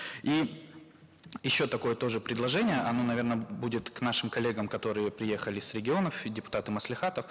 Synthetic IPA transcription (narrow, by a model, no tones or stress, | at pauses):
i | jɪɕːo̞t̪ɐko̞jət̪o̞ʐɨpɾʲɪd̪lˠɐʐɛnʲɪjəɐno̞nɐvʲe̞rnəbudʲɪt̪knaʂɨmkɐlʲːe̞ɡəmkɐt̪o̞ɾɨjəpɾʲɪje̞xəlʲɪsɾʲɪɡʲɪo̞nəfdʲɪpʊ̥t̪at̪ɨməslʲɪxat̪əf